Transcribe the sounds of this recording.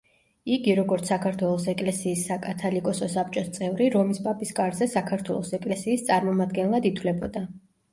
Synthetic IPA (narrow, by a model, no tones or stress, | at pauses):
iɡiɾɔɡɔɾt̪sʰakʰaɾt̪ʰwɛlˠɔsɛkʼlɛsiːsːakʼat̪ʰalikʼɔsɔsap̚ʼt͡ʃʼɔst̪sʼɛvɾiɾɔmispʼapʼiskʼaɾzɛsakʰaɾt̪ʰwɛlˠɔsɛkʼlɛsiːst̪sʼaɾmɔmad̪ɡɛnlˠad̪it̪ʰwlɛbɔd̪a